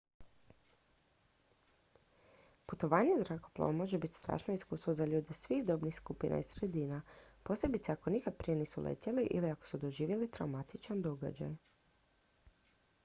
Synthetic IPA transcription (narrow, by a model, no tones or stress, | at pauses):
put̪o̞ʋaːɲezɾako̞plˠa̰ʋomo̞ʒebit̪st̪ɾa̰ːʃnoiskuːst̪ʋo̞zaʎuːd̪esʋixd̪o̞bnixskupinʔa̰isɾed̪iːnapo̞se̞bit̪seako̞nikad̪̚pɾije̞niːsulʔḛt̪ʲeliʔḭliakosud̪o̞ʒiːʋjelit̪ɾa̰wmat̪it͡ʃand̪o̞ɡa̰d͡ʑa̰j